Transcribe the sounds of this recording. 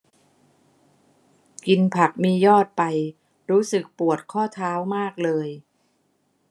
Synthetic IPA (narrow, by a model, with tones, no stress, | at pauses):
ki˧npʰa˨˩k̚miː˧jɔː˥˩t̪̚pa˧j | ɾuː˦˥sɯ˨˩k̚pu˨˩ət̪̚kʰɔː˥˩t̪ʰaː˦˥wmaː˥˩k̚lɤː˧j